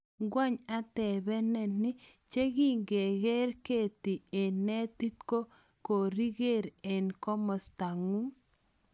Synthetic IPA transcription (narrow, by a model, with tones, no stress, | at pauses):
ɡwa˦ɲa˦tɛ˨bɛ˦nɛ˨nɪ˦t͡ʃe˦ɡi˦ŋɡe˨ɣe˦ɾke˦˨t̪i˨e˨nɛ˦ti˦tko˦ | ko˨ɾi˦ɡe˦˨ɾe˨nkɔ˦mɔ˨st̪a˨ŋu˦